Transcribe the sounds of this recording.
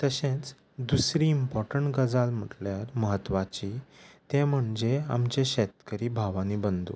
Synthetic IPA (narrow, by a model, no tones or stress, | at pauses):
t̪əɕẽt͡s | d̪usɾiːmpɔɾʈəɳʈɡəd͡zalm̤əʈljaɾməɦət̪ːʋat͡ɕit̪ẽm̤əɳd͡zea̰mt͡ɕeɕɛt̪kəɾiːbʱaʋaniːbənd̪ṵ